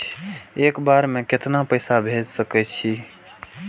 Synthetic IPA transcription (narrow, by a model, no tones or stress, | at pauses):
eːkbaɾmẽkɪt̪napəjsabʱed͡ʒsəkɛt͡ʃʰi